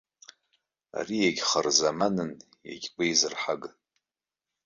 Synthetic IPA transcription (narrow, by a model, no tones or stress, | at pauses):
a̰rijeɡʲχərzamanɨn | ja̰ɡʲɡʷʼejzɨrħaɡ